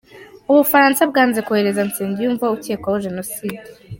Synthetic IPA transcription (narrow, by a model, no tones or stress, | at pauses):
uβufaɾansabɡaːnzekuhe̞ɾe̞zant͡seːndijuːɱvauteːkwawoʒe̞no̞side